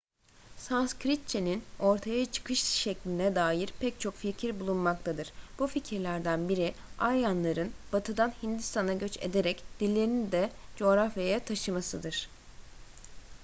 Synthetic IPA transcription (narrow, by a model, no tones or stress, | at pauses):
sanskɾit̪̚t͡ʃʰe̞nino̞ɾt̪ʰajat͡ʃʰɯ̥kʰɯʃʃɛclʲinɛd̪aːjiɾpʰɛc̚t͡ʃʰo̞kficʰiɾbulˠunmak̚t̪ʰad̪ɯɾ̥b̥uficʰiɾlʲæɾd̪ænbiɾiajjanlˠaɾɯnb̥at̪ʰɯd̪anhind̪ist̪ʰanaɟø̞t͡ʃe̞̰d̪e̞ɾɛcd̪̥ilʲːe̞ɾind̪ɛd͡ʒo̞ɣɾafjajɛt̪ʰaʃɯmasɯd̪ɯɾ̥